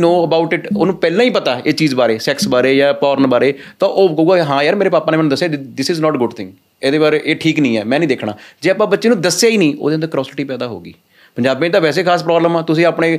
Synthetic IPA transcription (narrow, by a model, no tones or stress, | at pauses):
noːəbaːʊʈɪʈo̰ːnũːpɛːlãːĩːpət̪aːeːt͡ʃiːzbaːɾeːsɛksbaːɾeːjaːpɔːɾənbaːɾeːt̪ãːʔoːkəuːɡaːɦãːjəɾmeːɾeːpaːpaːneːmɛːnũd̪əsːjaːd̪ɪsɪːznɔːʈɡʊɖt̪ʰɪ̃ŋɡ | eːd̪eːbaːɾeʔeːʈʰiːknəĩːɛːmɛ̃ːnĩːd̪eːkʰɽa̰ːd͡ʒeːaːpãːbətːʃeːnũːd̪əsaːiːnĩːo̰ːd̪eːənd̪əɾkɾɔːsɪʈiːpɛːd̪aːɦo̰ːɡḭː | pəɲd͡ʒaːbːẽːd̪aːʋɛːs̬eːkʰaːs̬pɾɔːbləmaːt̪ʊsĩːaːpɳẽː